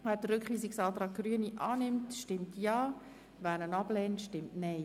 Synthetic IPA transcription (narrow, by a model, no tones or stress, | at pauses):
væːd̥əɾʏkχʋiːsɪksɑːlt̪ɾɑːk̚ɡ̥ryəniʔɑːnɪmtʃtɪmtjɑː | væːɾnənɑblɛːntʃtɪmtnɛɪ